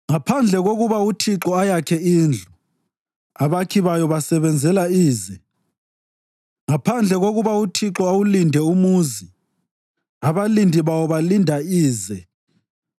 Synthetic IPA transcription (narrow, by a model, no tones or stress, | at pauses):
ŋapʰand͡ɮʱɛɣoɣuβautʰiǁɔajakʰɛiːnd͡ɮʱu | aβakʰiβajɔβasɛβɛnd͡zʱɛlaiːzɛ | ŋapʰand͡ɮʱɛɣoɣuβautʰiǁɔawulindʱɛumuzi | aβalindʱiβawɔβalindʱaiːzɛ